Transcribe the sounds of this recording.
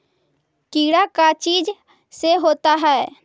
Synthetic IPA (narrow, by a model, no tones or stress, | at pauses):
kiːɽakat͡ʃiːd͡ʒ | seɦoːt̪aɦɛɛ